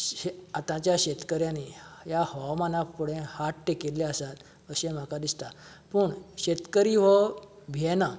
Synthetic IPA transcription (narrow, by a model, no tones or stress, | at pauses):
eat̪ãt͡ɕjaɕet̪kəɾjãnijahɔwmanapuɽẽhaʈʈekelːeasat̪ | əɕẽm̤akad̪ist̪a | pəɳɕet̪kəɾiʋɔ | bʱɛna